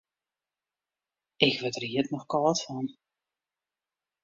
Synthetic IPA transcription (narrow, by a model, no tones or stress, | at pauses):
ɪkʋətəriətnɔxkɔlɔtfɔn